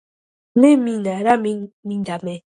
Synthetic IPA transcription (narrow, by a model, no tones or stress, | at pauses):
neminaɾamimindame